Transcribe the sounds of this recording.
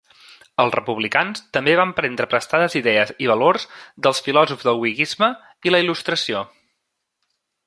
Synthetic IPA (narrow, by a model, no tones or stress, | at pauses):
əlˠzrəpuβlikanst̪əmbeβ̞ampɾɛnd̪ɾəpɾəst̪aðəziðɛəziβ̞əloɾzd̪əlˠsfilɔzuvzðəlˠwiɣizmə | iləilust̪ɾəsio